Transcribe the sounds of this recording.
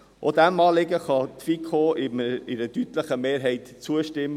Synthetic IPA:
ʔod̪æmɑːlɪɡəχɑt̪fikʰχoːʔɪmɪdədyt̪ləχəmeːɾɦɛɪt̪t͡suəʃtɪmː

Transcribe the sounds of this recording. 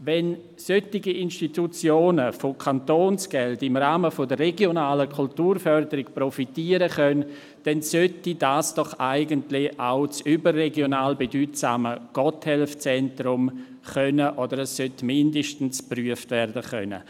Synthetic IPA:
vɛn | sœtiɡiʔinʃtitut͡sjoːnəfokʰantoːnsɡ̥ɛldɪmɾaːməfodərːeɡjonaːləkʰultuːrfœɾdəɾɪkprofitiːəɾəχœn | d̥ɛnsœtidaːsd̥ɔχaɪɡəntlɪaʊt͡sybərːeɡjonaːlbedyːtsa̰ːməɡ̥ɔthɛlft͡sɛntrʊm | χœnəʔodəɾɛsːœtmɪndəʃtn̩spryːəftvɛrdəχœ̰nə̰

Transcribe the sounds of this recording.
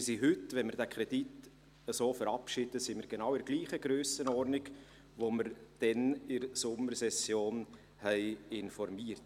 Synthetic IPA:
siɦʏtʋɛnmɪɾdækʰɾɛd̥it | əsoːfəɾɑpʃid̥əsimɪɾɡ̥enɑwɪɾɡliːχəɡɾøːsənɔɾnɪɡ | ʋoməɾd̥ɛnɪɾsʊmːəɾsɛsjoːn | hɛɪɪnfɔɾmiəɾt

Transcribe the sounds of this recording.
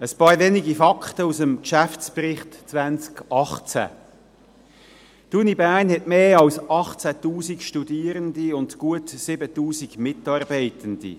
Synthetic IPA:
əspɑːɾveniɡifɑkχtəusəmkʃæft͡spɾɪχtt͡svænt͡skɑχt͡sæ̰ | tunibæːrnhɛtmeːɑlsɑχt͡sætuːzikʃtudiːɾəndiʊndɡ̥uətsɪbətuːsiɡmɪtɑːrbæɪtənd̥ḭ

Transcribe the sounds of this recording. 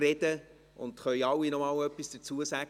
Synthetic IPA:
rɛdə | ʊ̰nd̥̪χœjɑwinɔmɑːlœpːisd̥ət͡suəsæɡ

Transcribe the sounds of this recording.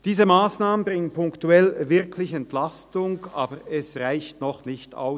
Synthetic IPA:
d̥iːzəmaːsnaːmənbʁɪŋənpʊŋktuɛlvɪʁkʰlɪçɛntlastʊŋʔaːbəɛsʁaɪçtnɔχnɪçta̰ʊs

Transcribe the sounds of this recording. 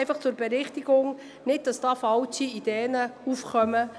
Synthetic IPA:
ɪfɑχt͡sʊɾb̥ɛɾɪχtiɡ̥ʊŋ | nɪt̚d̥ɑsd̥ɑːfɑltiid̥ɛːnəufχœmə

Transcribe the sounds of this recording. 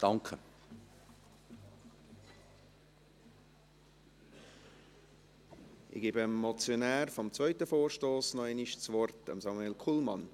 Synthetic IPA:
d̥ɑŋkʰə | ɪ̰ɡ̥eːbəmːɔt͡sjonæːɾfɔmt͡svœʏtəfoːrʃtoːsnɔɛniʃt͡sʋɔrtə̰msɑmuelkʰuːlmɑn

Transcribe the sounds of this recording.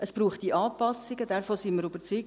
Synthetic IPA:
ʔəspɾuːχt̚d̥iʔɑːpɑsɪɡədɛɾfoːsiməɾybəɾt͡syː

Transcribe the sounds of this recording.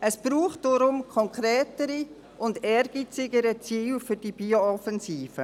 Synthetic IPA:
əsb̥ɾuːχtd̥oɾʊmkʰɔŋkɾɛːtəɾi | ʔʊndɛɾɡ̥it͡sɪɡəɾət͡siːlfʏɾd̥ib̥ioɔfɛnziːfə

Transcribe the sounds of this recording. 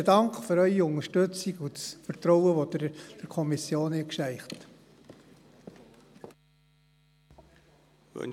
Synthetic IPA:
ədɑŋkχføɾœʏiʊŋəʃtɵt͡siɡufəɾt̪ɾɔwəʋod̥̪d̥əɾkʰɔmisjoːnikʃæɪχt̪ | ɛ̰

